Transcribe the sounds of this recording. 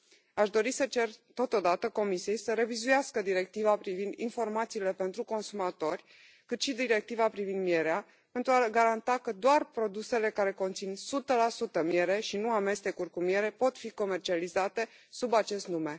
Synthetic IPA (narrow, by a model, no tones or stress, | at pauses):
aʃd̪o̞ɾisət͡ʃe̞rt̪o̞t̪o̞d̪at̪əko̞misije̞jsəɾe̞vizujaskəd̪iɾe̞k̚t̪ivapɾivind̪info̞rmat̪siːle̞pe̞nt̪ɾuko̞nsumat̪o̞rʲ | kɨt̪ʃid̪iɾe̞k̚t̪ivapɾivind̪mie̞ɾea | pe̞nt̪ɾuaɡaɾant̪akəd̪oarpɾo̞d̪use̞le̞kaɾe̞ko̞nt̪sinsut̪əlasut̪əmije̞ɾe̞ʃinuame̞st̪e̞kurʲkumie̞ɾe̞po̞t̪fiko̞me̞rt͡ʃializat̪e̞ | subat͡ʃe̞st̪nume̞